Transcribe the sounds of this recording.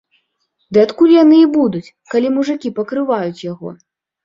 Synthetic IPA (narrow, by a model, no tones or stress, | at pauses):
d̪ɨat̪kulʲjanɨibud̪ut͡sʲ | kalʲimuʐɨkʲipɐkɾɨvajut͡sʲjaɣɔ̰